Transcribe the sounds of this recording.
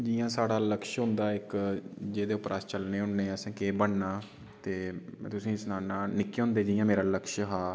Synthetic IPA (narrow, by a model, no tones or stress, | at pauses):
d͡ʒiːjãːsaːɽaːləkʃɦʊ̃nd̪aːɪkd͡ʒeːd̪eːʊpɾʔaːst͡ʃəlneːɦʊɳneːsẽːkeːbəɳnaː | t̪eːt̪ʊsĩːsnaːnãːnɪkːeɦʊ̃ːnd̪eːd͡ʒɪːjãːmeːɾaːləkʃɦaː